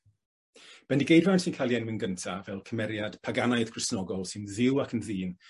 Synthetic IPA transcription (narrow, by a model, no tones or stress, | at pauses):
b̥ɛndiɡejransɪnkʰalˠjɛnmɪnɡəntʰavɛlˠkʰəmɛɾjad̥pʰaɡanaɨðkʰrɪsnɔɡɔlˠsɪnðɪwakʰənðiːn